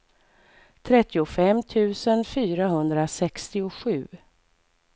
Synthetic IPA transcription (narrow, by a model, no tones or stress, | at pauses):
t̪ʰɾɛt̪ːɪʊfɛmːt̪ʰʉ̟ːsənfyːɾaɦɵnd̪ɾasɛkst̪ɪʊɧʉ̟ː